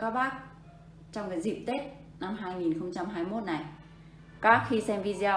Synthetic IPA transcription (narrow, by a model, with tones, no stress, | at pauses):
kaː˦˥k̚ɓaː˦˥k̚ | t͡ɕɔ˧wŋ͡mŋaː˨˩jzḭ˨˩p̚t̪e˦˥t̚ | na˧mɦaː˧jŋi˨˩nxə˧wŋ͡mt͡ɕa˧mɦaː˧jmo˦˥t̚na˨˩j | kaː˦˥k̚xi˧sɛ˧mvi˧zi˧aː˧